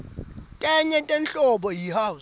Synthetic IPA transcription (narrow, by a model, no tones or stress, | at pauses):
tʼɛɲɛtʼɛnt͡ɬʼɔɓɔjihaw